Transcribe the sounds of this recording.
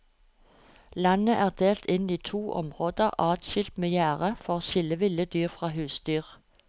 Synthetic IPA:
lɑnəʔæːʁd̪̥eːlt̪ʰɪniːt̪ʰuːʔɔ̰mʁoːd̪əʁʔɑːt̪ʃɪlt̪meːjæːʁəfɔʁʃɪləʋɪləd̪yːʁfʁɑːɦʉːsd̪̥yːʁ

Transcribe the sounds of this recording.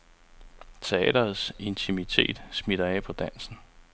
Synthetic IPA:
t͡sʰe̝ɛ̰ːd̥ɐð̩ˠse̝nt͡sʰimit͡sʰe̝̰ːd̥smiɾ̥ɐɛ̰ːpʰɒ̽d̥æn̰sn̩

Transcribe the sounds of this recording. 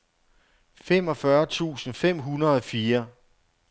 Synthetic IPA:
fem̰ɒ̽fɶɐt͡sʰṵːsn̩fem̰ɦunɐð̩ˠɒ̽fiːɐ

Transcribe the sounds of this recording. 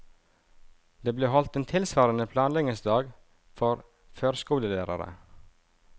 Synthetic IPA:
d̪eːbleːhɔlt̪eːnt̪ʰɪlsʋɑːɾənəpʰlɑːnlɛŋəsd̪ɑːɡ | fɔɾ | føːɾskuːləlæːɾɑ̰ɾə̰

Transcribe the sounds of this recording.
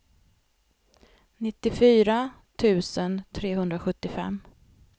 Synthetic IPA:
nɪt̪ːɪfyːɾa | t̪ʰʉ̟ːsənt̪ʰɾeːɦɵnd̪ɾaɧɵt̪ːɪfɛ̰mː

